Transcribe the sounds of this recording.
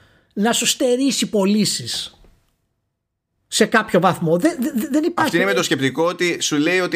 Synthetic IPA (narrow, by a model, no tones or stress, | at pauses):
nɐsust̪e̞ɾisipo̞lisis | e̞kɐpço̞vɐθmo̞ðeððenipɐft̪inemet̪osce̞pt̪ikoot̪isule̞io̞t̪